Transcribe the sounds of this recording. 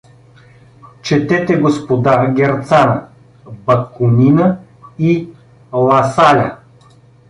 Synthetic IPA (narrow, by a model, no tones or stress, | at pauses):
t͡ʃɛt̪ɛt̪ɛɡospod̪aɡʲɛɾt̪sanɐ | bɐkʊninə | i | lˠɐsalʲa